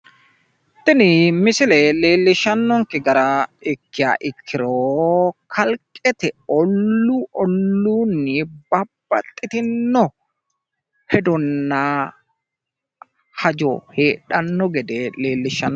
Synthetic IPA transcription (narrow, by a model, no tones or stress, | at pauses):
t̪ːɪnɪmɪsɪlɛleːlːɪʃɐnːɔŋkɪɡɐɾaɪkːɪa̰ʔɪkʰːɪɾoːkʰɐlkʼɛt̪ɛɔlːuʔɔlːuːnːɪbɐb̥ːɐ̰t̪ʼːɪt̪ɪnːɔ | hɛd̪ɔnːaː | hɐd͡ʒo̰ːheːᶑɐnːɔɡɛd̪ɛleːlːɪʃɐnː